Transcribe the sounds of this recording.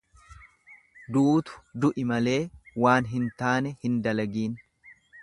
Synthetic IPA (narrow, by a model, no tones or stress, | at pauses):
d̪uːt̪ʊ̥d̪ʊʔɪmɐle̞ːwaːnɦɪnt̪aːnɛhɪnd̪ɐlɐɡiːn